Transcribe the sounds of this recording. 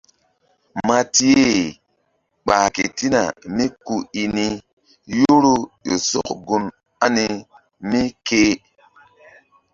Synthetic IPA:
ma˨ti˦e˦˨ | ɓa˨ki˨ti˦na˨mi˦ku˦i˨ni˦ | jo˦ɾo˦jo˨so̰˦kɡu˨n | a˦ni˦ | mi˦keː˦

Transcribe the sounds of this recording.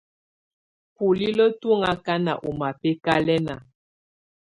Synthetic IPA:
pu˨li˦lə˦tu˦ŋa˦ka˦na̰˨ʔo˨ma˨pe˦ka˦lɛ˦na˨

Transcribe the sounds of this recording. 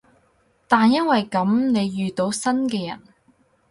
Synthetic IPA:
t̪aː˨njɐ˥nwɐ˨jkɐ˨˥mne˨˧jjyː˨t̪o˨˥wsɐ˥nkɛː˧jɐ̰˨˩n

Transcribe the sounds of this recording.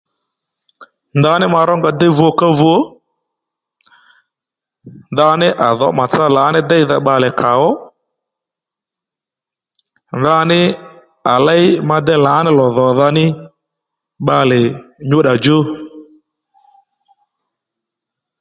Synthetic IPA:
nda˧˦nɪ˦ma˧ɾɔ˦ŋɡa˧dɛ˦vu˨ɔ˧ka˦vu˦ɔ˦ | nda˧nɪ˦ʔa˨ðɔ˨˦ma˨t͡sa˦la˨˦nɪ˦dɛ˦i˦ða˧ɓa˧lɛ˨ka˨wɔ˦ | nða˧˦nɪ˦ | a˨la˦ɪ˦ma˧dɛ˦la˨˦nɪ˦lɔ˨ðɔ˨ða˧nɪ˦ | ɓa˧lɪ˨ɲo˦ɗa˨d͡ʒo˦

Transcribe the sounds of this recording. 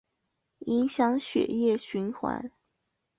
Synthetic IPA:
i˧˥nɕjɑ˧˥ŋɕɥɛ̰˨˩jɛ˥˩ɕy˧˥nxwa̰˧˥n

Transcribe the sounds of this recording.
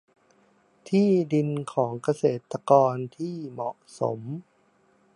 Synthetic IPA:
t̪ʰiː˥˩di˧nkʰɔː˩˦ŋka˧seː˨˩t̪ːa˧kɔː˧nt̪ʰiː˥˩mɔ˨˩ʔso̰˨˩˦m

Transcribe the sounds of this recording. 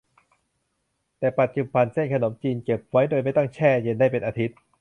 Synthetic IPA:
t̪ɛː˨˩pa˨˩t̪̚t͡ɕu˨˧˩pa˧nse˥˩nkʰa˧no˩˦mt͡ɕiː˧nke˨˩p̚wa˦˥jdoː˧jma˥˩jt̪a˥˩ŋt͡ɕʰɛː˥˩je˧nda˥˩jpe˧nʔaː˧t̪ʰi˦˥t̪̚

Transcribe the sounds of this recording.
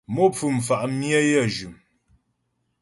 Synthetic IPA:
mo˦p͡fʉ˨m̩˨fa˨ʔmjə˦jə˦˨d͡ʒʉ˨m

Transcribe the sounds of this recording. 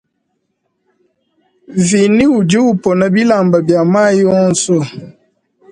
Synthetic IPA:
vi˨ni˦u˨d͡ʒi˦u˦˨pɔ˨na˨bi˦la˨mba˨bja˨ma˦jɔ˦n̩˨so˦˨

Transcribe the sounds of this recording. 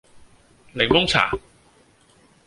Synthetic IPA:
le˨˩ŋmʊ˥ŋt͡sʰa̰ː˨˩

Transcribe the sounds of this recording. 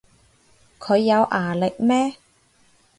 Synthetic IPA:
kʰɵ˨˧ɥːɐ˨˧wʔaː˨˩lɪ˨k̚mɛː˥

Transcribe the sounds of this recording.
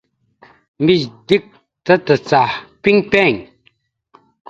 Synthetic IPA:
mi˨ɕd̪i˦˨k̚ | t̪ə˦t̪ə˨t͡sa˨pi˦˥ŋpɛ˥˨ŋ

